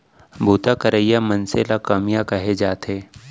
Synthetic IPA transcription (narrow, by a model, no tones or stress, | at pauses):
bʱuːt̪akəɾəjamɐnselakamijakɐɦed͡ʒaːt̪eː